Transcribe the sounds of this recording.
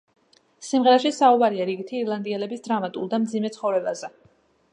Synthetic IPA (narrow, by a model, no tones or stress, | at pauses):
simʁɛɾaʃisaubaɾiaɾiɡit̪ʰiːɾlˠand̪ialɛbisd̪ɾamat̪ʼṵlˠd̪amd̪zimɛt̪sʰχɔvɾɛbazɛ